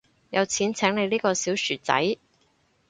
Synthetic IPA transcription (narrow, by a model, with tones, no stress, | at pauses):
jɐ˨˧wt͡sʰiː˨˥nt͡sʰɛː˨˥ŋne˨˧jliː˥kɔː˧siː˨˥wsyː˨˩t͡sɐ̰˨˥j